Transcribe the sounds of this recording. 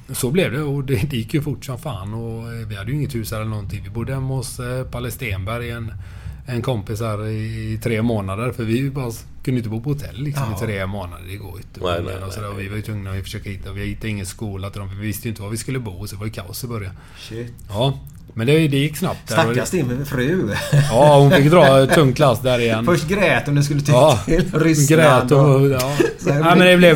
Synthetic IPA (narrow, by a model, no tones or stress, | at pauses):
sɔblɛvd̪ɛɔd̪ɛd̪ɛjɪkːjɵfʊʈːʂɔmfaːnɔvɪhad̪ːjʏɪŋːət̪hʉːsaɾɛlənɔnt̪ʰɪŋvɪbʊd̪ːəhɛmːɛɔspʰalɛst̪eːnbæɾjɛn | ɛnkʰɔmpɪs̬æɾɪt̪ʰɾeːmoːnad̪əɾfœɾvɪbɑːɾa | kʰɵnəɪt̪əbuːpʰɔhʊt̪ʰɛ̰lːɪksɔmɪt̪ʰɾeːmoːna̰d̪ədɛɡo̰ːɾjʏnt̪ʰːəɛ̰nɔsɔd̪æːɾɔvɪvaɾjʏt̪ʰvɵŋːnavɪfœ̥ʂøːkahɪt̪ːavɪhɪt̪ːaɪŋːənskuːlat̪ɪd̪ɔmfvɪvɪst̪əjʏɪnt̪ːəvavɪskɵlːəbuːsɔd̪ɛvaɾjəkʰa̰ʊsɪbœɾjan | ɑː | mɛnd̪ɛd̪ɛjɪkːsna̰p̚t̪̚d̪æːɾɔast̪ɪfɾʉ̟ːɑːhʊnfɪkːd̪ɾɑːt̪ʰɵŋːkʰlasːd̪æɾɪjɛnːfœʂʈɡɾɛːt̪ɔmd̪ɛs̬kɵlːət̪ʰɑːɪlɾɪsɡɾɛːt̪ɔɑːæɪmɛnd̪ɛblɛ